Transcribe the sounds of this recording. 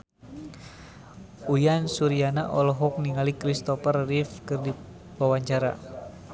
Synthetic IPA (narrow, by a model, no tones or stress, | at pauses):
ujansuɾianaʔɔlɔɦɔk̚niŋalikɾist̪ɔfərːifkɨrdi | wawaɲt͡ʃaɾa̰